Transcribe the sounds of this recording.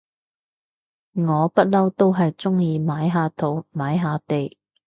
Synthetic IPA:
ŋɔː˨˧pɐ˥t̚lɐ˥wt̪o˥wɦɐ˨jt͡sʊ˥ŋjiː˨˧maː˨˥jɦaː˨˧t̪ʰo˨˧˥wmaː˨˥jɦaː˨˧t̪e˨j

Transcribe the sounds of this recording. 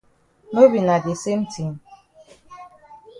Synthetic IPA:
no˦bi˨na˨ɡi˨se˦n̩˦tʰi˨m̩˦

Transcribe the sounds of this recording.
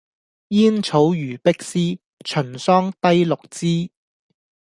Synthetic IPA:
jiː˥nt͡sʰo˨˧˥wjyː˨˩pɪ˥k̚siː˥ | t͡ʃʰɵ˨˩nsɔː˥ŋt̪ɐ˥jlʊ˨k̚t͡siː˥

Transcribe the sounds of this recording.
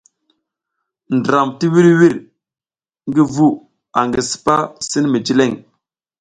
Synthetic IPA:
ndɾa˨mti˦wi˦ɾwi˦ɾ | ŋɡi˦vu˦ | a˨ŋɡi˨si̥˦pa˦si˦nmi˨d͡ʒi˦le˦˨ŋ

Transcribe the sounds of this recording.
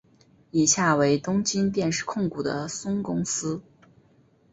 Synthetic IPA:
i˨˩ɕja˥˩we˧˥ɪt̪ʊ˥ŋt͡ɕi˥nt̪̬jɛ˥˧nʂɻ̩˥˧kʰʊ˥˩ŋku˨˩d̪ə̰˦sʊ˥ŋkʊ˥ŋsɹ̩˥

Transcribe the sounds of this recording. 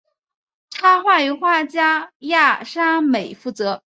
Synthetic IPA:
ʈ͡ʂʰa˥xwa˥˩y˧˥xwa˥˩t͡ɕja˥ja˥˩ʂa˥me˨˩ɪfu˥˩t͡sɤ˧˥

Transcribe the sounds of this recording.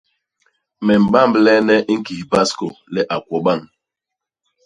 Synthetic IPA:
mɛ˨m̩˨ba˦m̩˦blɛ˦nɛ˦ʔŋ̩˦ki˨hi˨ba˦sko˨lɛ˦ʔa˨kʷɔ˨ɓa˦˨ŋ

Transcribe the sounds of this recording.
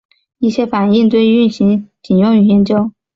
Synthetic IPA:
i˥˩ɕjɛ˥fa˨˩ni˥˧ŋt͡s̪we˥˧ɪy˥˩nɕi˧˥ŋt͡ɕi˨˩njʊ˥˩ŋy˨˩jɛ˧˥nt͡ɕjo˥ʊ

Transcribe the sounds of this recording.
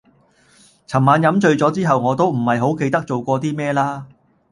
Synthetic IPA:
t͡sʰɐ˨˩mːaː˨˧njɐ˨˧˥mt͡sɵ˧ɥt͡sɔː˨˥t͡siː˥ɦɐ˨wŋɔː˨˧t̪o˥wm̩˨˩hɐ˨jɦo˨˥wke˧jt̪ɐ˥k̚t͡so˨wkʷɔː˧t̪̬iː˥mɛː˥laː˥

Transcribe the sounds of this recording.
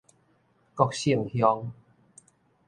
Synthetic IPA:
kɔ˧k̚ɕi˧˨əŋhjɔ˧ŋ

